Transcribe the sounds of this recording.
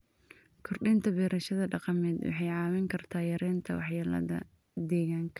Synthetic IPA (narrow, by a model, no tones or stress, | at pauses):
kʰɔrɖɪnt̪ʰɐbɛːɾɐʃɐðɐɖɑqɑmɛːd̪wɑ̰ħɑjʕɑːwɛŋkʰɐrt̪ʰaːjɐɾɛːnt̪ʰɐwɑħjɐːlɐ̰ðɐ̰ | d̪ɛːɣaːŋkʰɐ